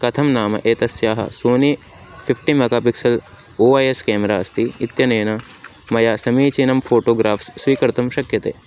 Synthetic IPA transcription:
kɐt̪ʰɐmnaːmɐ̰ʔeːt̪ɐsjaːɦɐ̰soːni | pʰipʰʈimɐɡaːpiksɐl | oːɐːjeskeːmɐɾaːst̪iit̪jɐneːnɐ | mɐjaːsɐmiːt͡ʃinɐmfʰoːʈoːɡɾaːfsːʋiːkɐɾt̪ɐmʃɐkjɐt̪ḛː

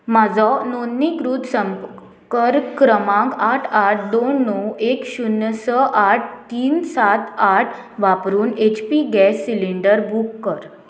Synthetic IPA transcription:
mad͡zɔnonːikɾuːt̪səm | kəɾkɾəmãkaʈʰaʈ̚ʰd̪onːɔekɕunːəsəʔaʈ̚ʰt̪iːnsat̪aʈʰ | ʋapɾuːnet͡ɕpiɡɛsːiliɳɖəɾbʱukːəɾ

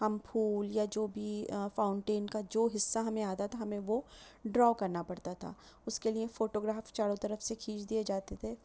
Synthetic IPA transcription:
ɦɐmpʰuːljad͡ʒoːbʱifaːʊɳʈeːnkad͡ʒoːɦɪsːaɦɐmẽaːt̪at̪ʰaɦɐmẽʋoɖɾɔːkɐɾnapɐɽt̪at̪ʰa̰ː | ʊskeliefoːʈoːɡɾaːft͡ʃaːɽõt̪ɐɾəfsekʰiːt͡ʃʰd̪ied͡ʒaːt̪et̪ʰeː

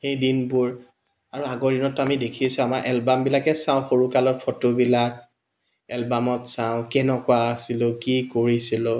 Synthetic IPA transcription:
xejdinbʊɹ | aɹuaɡɔɹdinɔtːamidekʰisʊ̃amaɹʔɛlbambilakɛsaʊ̃xoɹukalɔt̚pʰotobilak̚ | ɛlbamɔtsãʊ̃kɛnɔkʊaːsilʊ̃kikoɹisilʊ̃

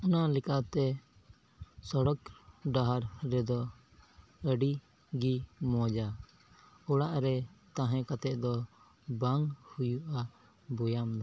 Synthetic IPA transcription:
ɔnalikat̪ɛ | sɔɽɔkɖaɦaɾɾɛd̪ɔ | əɖi | ɡimɔ̃d͡ʒa | uɽaʔɾɛt̪ãɦɛ̃kat̪ɛʔ̚d̪ɔ | baŋhujuʔa | bɔjamd̪ɔ

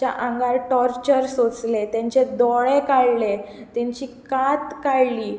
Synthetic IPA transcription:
a̰ʔãŋɡaɾʈɔɾt͡ɕəɾsot͡slet̪jãɲt͡ɕed̪ɔɭekaɭle | t̪ãɲt͡ɕiːkat̪kaɭliː

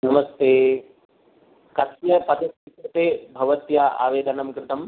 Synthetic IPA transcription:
nɐmɐst̪eː | kɐsjɐpɐd̪ɐtːit̪ɾɐt̪eːbʱɐʋɐt̪jaa̰ːʋeːd̪ʱɐnɐmkɾɪt̪ɐm

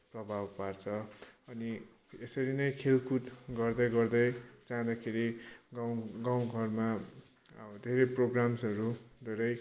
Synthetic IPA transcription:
prʌbʱabpart͡sʰʌʌni | esʌɾinʌjkʰelkut̪ɡʌrd̪ʌjɡʌrd̪ʌjt͡saɦãd̪akʰeɾiɡɡaw̃ɡʱʌrma | d̪ʱeɾʌjproɡramsʌɾud̪ʱeɾʌj

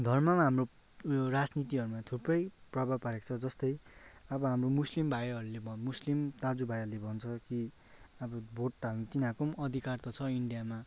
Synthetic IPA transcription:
d̪ʱʌrmʌmɦamro | orad͡znit̪iɦʌɾumat̪ʰuprʌjprʌbʱabpʌɾek̚t͡sʰʌd͡zʌst̪ʌjʌbʌɦamromuslimbʱajɦʌɾulebʱʌmuslimt̪ad͡zubʱajʌɾulebʱʌnt͡sʰʌki | ʌbʌbʱoʈʈalnt̪inãkomʌd̪ʱikart̪ʌt͡sʰʌiɳɖijama

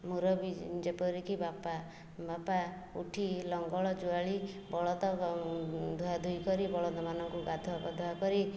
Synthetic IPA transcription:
muɾɔbid͡ʒepɔɾikibapa | bapaṵʈʰilɔŋɡɔɭɔd͡ʒuaɭibɔɭɔt̪ɔ | d̪ʱuad̪ʱujkɔɾibɔɭɔnɔmanɔŋkuɡad̪ʱɔabɔd̪ʱuakɔɾi

